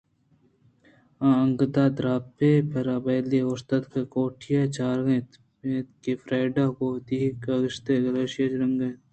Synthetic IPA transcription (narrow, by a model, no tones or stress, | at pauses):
ãːɐŋɡd̪aːd̪ɾaːpeːpɐɾaːbɐːleːʊst̪ɐt̪kekoːʈʰijaːt͡ʃaːɾɡẽːt̪ | et̪kefɾaːɖaːkod̪ikaɣɪʃt̪eːɡɐleːʃɐd͡ʒɾɐŋɡẽːt̪